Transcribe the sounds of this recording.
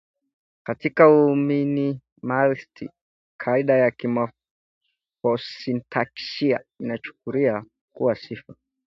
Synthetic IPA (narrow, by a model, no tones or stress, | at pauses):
katikaumini | malstḭ | kʰaiɗajakima | fɔsintʰaksia̰inat͡ʃu̥k̚uɾia | kuwasifa